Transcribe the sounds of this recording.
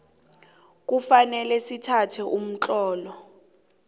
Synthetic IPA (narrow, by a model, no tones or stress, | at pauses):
k̬ʼufanɛlɛsitʰatʰɛʔum̩t͡ɬʼɔːlɔ